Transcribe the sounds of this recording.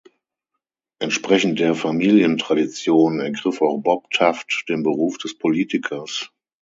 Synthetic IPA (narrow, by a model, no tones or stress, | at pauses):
ʔɛntʃpʁ̥ɛçn̩t̚d̥eːɐfamiːljəntʁ̥adit͡sjoːnnɛɐɡʁɪfaʊxb̥ɔptʰaftd̥eːnbəʁuːfd̥ɛspʰoliːtɪkʰɐs